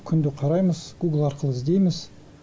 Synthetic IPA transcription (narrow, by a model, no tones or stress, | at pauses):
kʲʰʏnd̪ɪqʰɑɾɑjməzɡ̥uɡlˠɑɾqəlˠəɪzd̪e̞jmɪz̥